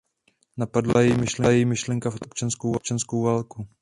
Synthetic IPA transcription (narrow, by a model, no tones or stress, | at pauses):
napadlajɛjimɪʃlɛjɛjimɪʃlɛŋkafʔʔop̚t͡ʃanskowop̚t͡ʃanskowvaːlku